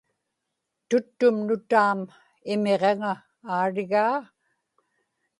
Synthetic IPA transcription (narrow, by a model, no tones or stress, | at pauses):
t̪ʊt̪ːʊmnʊt̪aːm | ɪme̞ʁeŋaː | ɻɪɣaː